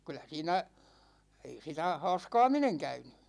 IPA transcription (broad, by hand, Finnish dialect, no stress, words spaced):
kylˑæ siːnæ ei sitæ hɑ̝ːskɑ̝ːmineŋ kæyny